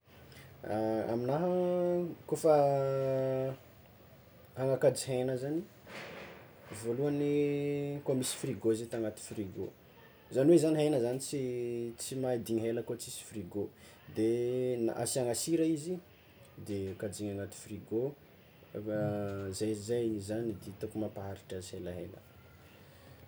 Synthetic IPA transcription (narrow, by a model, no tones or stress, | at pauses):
a̰minaɦə | kofə | haŋakad͡ʒiɦejnəzani | voluanikomisi̥friɡozet̪aŋat̪i̥friɡo | zaniwezaniɦajnəzanit͡sit͡simaad̪iɲɦeləkot͡sisi̥friɡo | d̪ena̰siaŋasiɾaizi | d̪ekad͡ʒiɲaŋat̪i̥friɡo | zajzaizanid̪et̪okumapaɦaɾiʈ͡ʂazihelaɦelə̰